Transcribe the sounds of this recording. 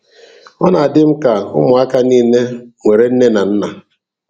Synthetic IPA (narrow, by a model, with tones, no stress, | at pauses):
ɔ˦na˨a˨dɪ˦m̩˦ka˨ʊ̰˦mʊ˨a˦ka˦niː˦ne˦ŋʷe˨ɾe˦n̩˦ne˦na˨n̩˦na˨